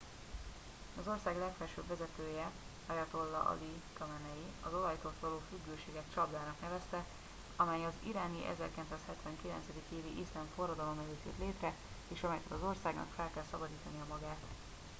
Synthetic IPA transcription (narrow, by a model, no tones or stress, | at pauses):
ɒzo̞rsaːɡlɛkfɛrʃøːbvɛzɛt̪øːjɛ | hɒjɒt̪o̞lːɒ̰ʔɒ̰likɒmɛnɛjiɒzo̞lɒjt̪ot̪ʋɒloːfyɡːøːʃeːɡɛt̪t͡ʃɒblaːnɒknɛvɛst̪ɛ | ɒmɛjɒzḭɾaːniʔɛ̰zɛrkɛlnt̪saːshɛt̪ʋɛŋkilɛ̰nt̪sɛd̪ikeːviʔislaɱfo̞rːɒd̪ɒlo̞mɛløːt̪jøt̪leːt̪rɛ | eːʃɒmɛjkɛt̪ɒzo̞rsaːɡnɒ̰kfɛlkɛlsɒbɒd̪iːt̪ɒniɒmɒɡaːt̪